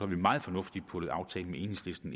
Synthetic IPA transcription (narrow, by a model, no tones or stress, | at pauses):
ɑʋimɑ̈ːð̞̩ˠfɒ̽nɔ̽fd̥ipʰɔ̽ð̩ˠɑ̈ʊt͡sʰɛ̰ːləmee̝ːne̝ŋsle̝sd̥n̩